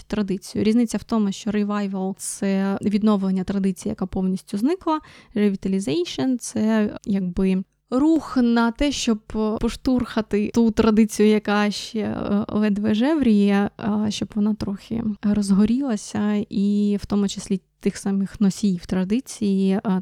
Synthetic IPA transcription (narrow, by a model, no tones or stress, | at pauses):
t̪ɾɐd̪ɪt͡sʲijʊ̰ɾʲiznɪt͡sʲːɐwt̪ɔmʊʃt͡ʃɔɾiʋɑjʋɐlˠt̪sɛʋʲid̪nɔʋlˠenʲːɐt̪ɾɐd̪ɪt͡sʲijijɐ̰kapɔwnʲisʲtʲʊznɪklˠɐreʋʲit̪ɐlʲizɛjʃɐnt̪sɛjɐɡ̚bɪ | ruxnɐt̪ɛʃt͡ʃɔbpɔʃt̪urxɐt̪ɪut̪ɾɐd̪ɪt͡sʲijʊjɐkɑʃt͡ʃɛ̰ɔ̰ʋɛd̪ʋɛʒɛʋɾʲijɛʃt͡ʃɔb̥ʋɔnɑt̪ɾɔxʲɪ̰ɾɔzɦɔɾʲilˠɐsʲɐiwt̪ɔmʊt͡ʃɪ̥sʲlʲit̪ɪxsɑmɪxnɔsʲijwt̪ɾɐd̪ɪt͡sʲiji